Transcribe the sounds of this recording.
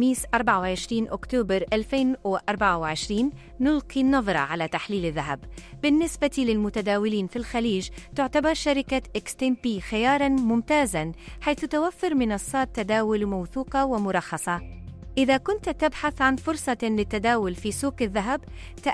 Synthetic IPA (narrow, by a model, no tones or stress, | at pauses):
miːsʔɑɾˤbaʕawʕɪʃɾiːnʔʊkt̪uːbɑɾˤʔalfeːnwɪʔɑɾˤbaʕawɪʕɪʃɾiːnː | ʊlqinːɑðˤɾˤɑ̰ʕalat̪aħliːlɪðːaɦabbɪnːɪsbat̪ilɪlmʊt̪ad̪aːwɪliːnfilxaliːʒt̪ɪʕt̪abɑɾˤʃaɾɪkaʔɪkst̪ɪmpiːxɪjɑːɾˤɑnmʊmt̪aːzanħajθt̪awafːɪɾmɪnɑsˤːɑːt̪ːad̪aːwʊlmawθuːqɑwɪmʊɾˤɑxːɑsˤɑʔɪðakʊnt̪t̪ɪbħaθʕanfʊɾsˤɑlɪt̪ːad̪aːwʊlfisuːkɪðːaɦabt̪a